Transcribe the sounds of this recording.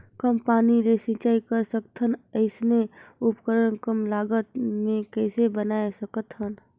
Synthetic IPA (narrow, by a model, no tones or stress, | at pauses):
kəmpaːniɾesĩt͡ʃaːikəɾsəkt̪ʰənəɪsneʊpkəɾəɳkəmlaːɡət̪mẽkəɪsebənaːesəkət̪ɦən